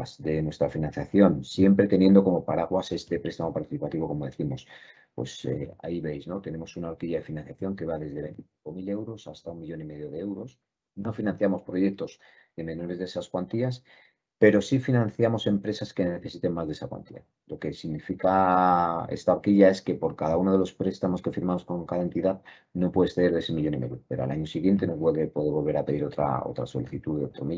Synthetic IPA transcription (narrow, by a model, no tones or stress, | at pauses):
zðe̞nwe̞st̪ɾafinãnθjaθjo̞nsje̞mpɾe̞t̪e̞nje̞nd̪o̞ko̞mo̞paɾaɣwase̞st̪e̞pɾe̞st̪amo̞paɾt̪iθipat̪iβo̞ko̞mo̞ðe̞θimo̞s | pwe̞̰sḛa̰iβe̞jzno̞t̪e̞ne̞mo̞sunaoɾkiʝaðe̞finãnθjaθjo̞ŋke̞β̞aðe̞zðe̞βent̪iiko̞mile̞wɾo̞sast̪aummiʝo̞nime̞ðjo̞ðe̞e̞wɾo̞s | no̞finãn̟θjamo̞spɾo̞ʝe̞k̚t̪o̞z | ðemẽ̞no̞ɾezðesaskwant̪ias | pe̞ɾo̞sifinãn̟θjamo̞se̞mpɾe̞saske̞ne̞θe̞sit̪e̞ŋmazðe̞sakwa̰nt̪ḭa̰ | lo̞ke̞siɣnifika | e̞̰st̪aokiʝae̞ske̞po̞ɾkaðauno̞ðe̞lo̞spɾe̞st̪amo̞ske̞fiɾmamo̞sko̞ŋkaðae̞nt̪iðað | no̞pwe̞ðe̞sθeeɾðe̞semiʝo̞nime̞ðjope̞ɾoa̰laɲo̞siɣje̞nt̪e̞noweðepwe̞ðeβo̞lβe̞ɾape̞ðiɾot̪ɾa̰o̞̰t̪ɾa̰so̞̰liθit̪uðeot̪ɾomi